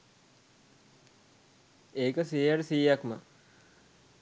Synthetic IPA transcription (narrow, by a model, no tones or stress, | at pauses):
eːkəsijaʈəsijakmə̰